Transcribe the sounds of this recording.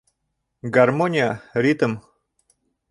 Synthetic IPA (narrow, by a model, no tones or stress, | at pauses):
ɡɐrmonʲɪjəɾʲit̪əm